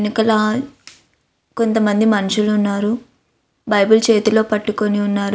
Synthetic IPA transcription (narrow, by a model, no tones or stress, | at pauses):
nikɐlɐ | ko̞nt̪ɐmɐnd̪imɐnuʂulːnːaːɾu | bɐjbult͡ʃe̞ːt̪ulo̞ːpɐʈːuko̞niunːaːɾ